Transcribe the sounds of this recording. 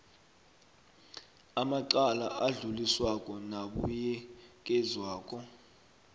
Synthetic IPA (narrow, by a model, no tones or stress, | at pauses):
amaǃalaʔaɮuliswakʼɔnaɓujɛk̬ʼɛzwaːk̬ʼɔ